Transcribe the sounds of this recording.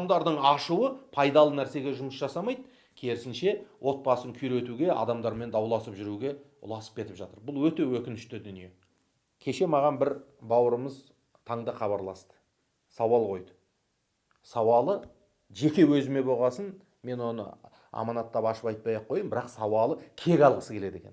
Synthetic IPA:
md̪ɑɾd̪əɴɑʃuwəpʰɑjd̪ɑlˠənæɾse̞ɡʲe̞ʒʊməsʒɑsɑmɑjd̪ | kʲʰeɾɪsɪnʃe̞wʔo̞t̪̚pɑsəŋkʲʰʏjɾe̞t̪uɡʲe̞ʔɑ̰d̪ɑmd̪ɑɾme̞nd̪ɑwlˠɑsəpʒʏɾuɡʲe̞ | ʊ̰lˠɑsə̥p̚kʰʲe̞t̪ɪpʒɑt̪əɾbʊlˠwɵt̪e̞wɵkʲɪnɪʃt̪ɪd̪ʏnije̞ | kʲʰe̞ʃe̞mɑʁɑnbɪɾbɑwəɾəməz | t̪ʰɑɴd̪əχɑβɑɾlˠɑst̪ə̥ | sɑwɑlˠqʰo̞jd̪ə | sɑwɑlˠə | ʒe̞kʲe̞wɵzɪme̞bo̞ʁɑsən | me̞nwo̞nə̰ | ɑ̰mɑnɑt̪ːɑpɑʃəpɑjt̪̚pɑjɑqʰːo̞jəmbɪɾɑqsɑwɑlˠəkʲʰe̞ɡʲɑlˠʁəsəkʲe̞le̞d̪e̞kʲe̞n

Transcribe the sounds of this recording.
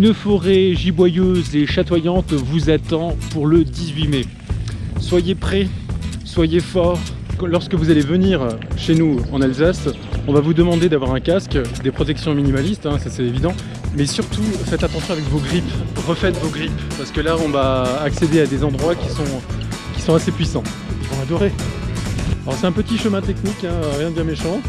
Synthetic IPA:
ynfɔʁeʒibwajøzeʃat̪wajɑ̃t̪vuzat̪ɑ̃puʁləd̪izɥimɛ | swajepχɛ | swajefɔːʁ | klɔʁskəvuzalevəniʁʃenuɑ̃nalzas | ɔ̃vavud̪əmɑ̃d̪ed̪avwaʁɛ̃kaskd̪epχɔt̪ɛksjɔ̃minimalist̪ɛ̃sasɛt̪evid̪ɑ̃ | mɛsyʁt̪ufɛt̪at̪ɑ̃sjɔ̃avɛkvoɡʁipʁəfɛt̪voɡʁippaʁsə̥kəlaɔ̃vaːksed̪ead̪ezɑ̃d̪ʁwakʲisɔ̃kʲi̥sɔ̃asepɥisɑ̃ | ivɔ̃ad̪ɔʁe | aɔʁsɛt̪ɛ̃pət̪iʃəmɛ̃t̪ɛknikɛ̃øʁjɛ̃d̪əb̪jĩʁmeʃɑ̃

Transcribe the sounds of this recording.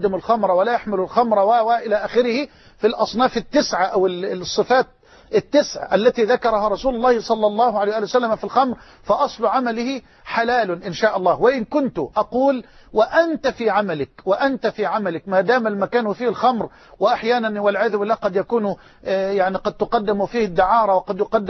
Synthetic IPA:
d̪ːɪmʊlxɑmɾˤwalajaħmɪlʊlxɑmɾˤɑwawaʔɪlaːʔaːxɪɾɪhɪ | filʔɑsˤnɑːfɪt̪ːɪsʕaʔawɪsˤːɨfaːt̪̚ | ʔɪt̪ːɪsʕa̰ʔalːat̪iːðakɑɾˤɑhɑɾˤɑsuːlʊlˤːɑːhɪsˤɑlːɑlˤːɑːhʊʕalejhwʔːlijwasalːamafilxɑmɾ | fɑʔɑsˤlʊʕamalɪhɪ | ħalaːlʊʔɪnʃaːʔɑlˤːɑːhwɪʔɪnkʊnt̪ʊʔɑquːl | wɪʔant̪afiːʕamalɪkwɪʔant̪afiːʕamalɪkmaːd̪aːmalmakaːnufiːhɪlxɑmɾ | wɪʔaħjaːnanwɪlʕɪjðbɪlːaːhqɑd̪jakuːn | jaʕniqɑd̪̚t̪ʊqɑd̪ːɪmʊfiːhɪd̪ːɪʕɑːɾˤɑwɪqɑd̪jʊqɑd̪ː

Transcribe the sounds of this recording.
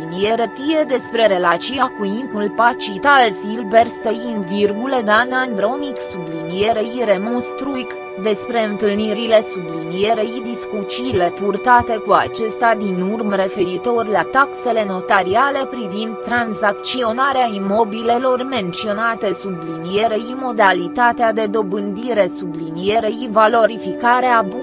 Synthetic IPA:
inijeɾət̪ije̞d̪e̞spɾe̞ɾe̞lat͡ʃiakuimp̪ulpat͡ʃit̪alsilve̞rst̪əjinvirɡuled̪anand̪ɾo̞niksublinije̞ɾeiɾe̞monst̪ɾuik | d̪e̞spɾe̞ɨnt̪ɨlniɾile̞sublinije̞ɾeid̪iskut͡ʃiːle̞purt̪at̪e̞kua̰t͡ʃe̞st̪ad̪inurmre̞fe̞ɾit̪o̞rʲlat̪akse̞le̞no̞t̪aɾiale̞pɾivind̪̚t̪ːɾanzak̚t͡ʃio̞naɾeaimo̞bile̞lo̞rme̞nt̪sio̞nat̪e̞sublinije̞ɾeimo̞d̪alit̪at̪ead̪e̞d̪o̞bɨnd̪iɾe̞sublinijeɾeivalo̞ɾifikaɾeab

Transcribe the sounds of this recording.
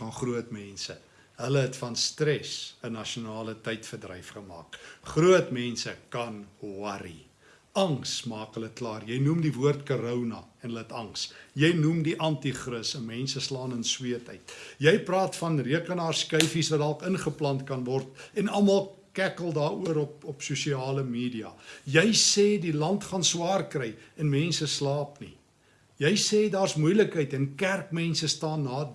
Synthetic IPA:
fɐnχruətmɛnsə | ɦələɦɛtfɐnstrɛsənɐʃiunɑːlətɛjtfərdrɛjfχəmɑ̰ːkχruətmɛnsəkɐnuɐɾḭ | ɐŋsmɑːkɦələklɑːrjɛjnumdivuərtkoɾəwnɐ̰ɛnɦələɦətɐŋsjɛjnumdiʔɐntiχrəsəmɛnsəslɑːnənswiətəjtjɛjprɑːtfɐnriəkənɑːrskœɥfisvɐtdɑlˠkənχəplɐntkɐnvɔrtɛnɐlmɐlˠ | kækəlˠdɑːuəɾɔpɔpsusiɑːləmiːdiɐ̰jɛjsɛːdilɐntχɑnswɑːrkrɛjɛnmɛnsəslɑːpnḭ | jɛjsɛːdɑːrsmujləkɦəjtɛnkærkmɛnsəstɑːnːɑː

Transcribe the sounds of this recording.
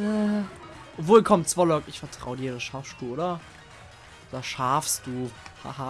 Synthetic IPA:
ʔovoːlkʰɔmt͡sv̥aːlɔʏkɪçfɛɐtʁ̥a̰ʊədiːɐɾasʃaɐfʃpuːlʔoːdɐ | ʔdɐʃaɐfst̚d̥uːha̰ɦa

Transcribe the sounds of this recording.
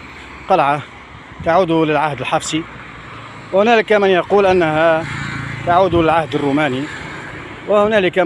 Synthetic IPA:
q̪ɑlʕa | t̪aʕuːd̪ulɪlʕahd̪əlħɑfsi | whʊnæːlɪkamənjɑquːlʔanːaɦa | t̪aʕuːd̪ulɪlʕahd̪ərːumæːni | wahʊnæːlɪka

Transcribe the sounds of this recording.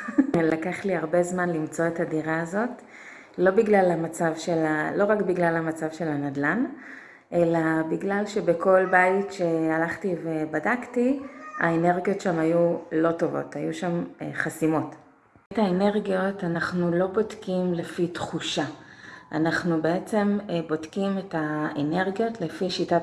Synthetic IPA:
lakaχliaʁbe̞zmanlimt͡so̞etadiʁaːzo̞t | lo̞biɡlalamat͡savʃe̞lalo̞ʁakbiɡlalamat͡savʃe̞lanadlan | ʔe̞labiɡlalʃe̞bekʰo̞lbajitʃe̞alaχtive̞badaktia̰ene̞ʁɡijo̞tʃamajulo̞to̞vo̞̰thajuʃamχasimo̞t | etaene̞ʁɡijo̞tanaχnulo̞bodkimlefitχuʃaʔa̰naχnube̞et͡se̞mbodkimetaene̞ʁɡijo̞tlefiʃita

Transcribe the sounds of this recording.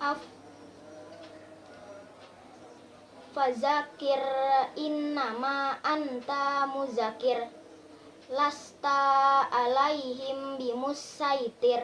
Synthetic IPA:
ʔa | fazakɪrinːamaʔant̪amuzakir | last̪aː | lajɦɪmbimusajt̪ir

